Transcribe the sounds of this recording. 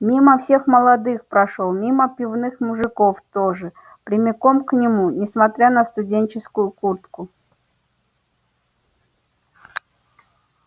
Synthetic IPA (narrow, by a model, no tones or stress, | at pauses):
mʲiməfsʲe̞xməlˠɐd̪ɨxpɾɐʂolˠmʲiməpʲɪvnɨxmʊʐɨkoft̪oʐɨ | pɾʲɪmʲɪkomknʲɪmunʲɪsmɐt̪ɾʲanəst̪ʊdʲent͡ɕɪskʊjʊkurt̪kʊ